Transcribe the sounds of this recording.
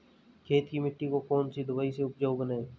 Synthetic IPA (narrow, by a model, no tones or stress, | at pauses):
kʰeːt̪kimɪʈːikokɔːnsid̪ʱʊbaːiseʊpd͡ʒoːɡnae